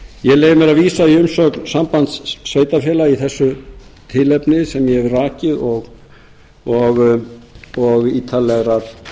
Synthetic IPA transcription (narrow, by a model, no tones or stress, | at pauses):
jɛleːjɪmɛɾaðviːsaiʏmsœknsampant̪sːveːjt̪afjɛːlaiθɛsːʏt̪ʰɪlɛpnɪsɛmjɛhɛvraːcɪðɔɣ | ɔɣ | ɔɣiːt̪ʰalɛɣɾaɾ